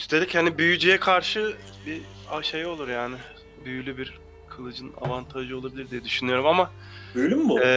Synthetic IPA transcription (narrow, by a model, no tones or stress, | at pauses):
ist̪ʰe̞lʲichanibyjyd͡ʒijɛkʰaɾʃɯ | bi | aʃejo̞lˠuɾjaːnɪ | byjylʲybiɾ | kʰɯlˠɯd͡ʒɯna̰vant̪ʰaʒɯo̞lˠabilʲiɾd̪ijɛd̪yʃynyjo̞ɾumama | bølʲymːuɛ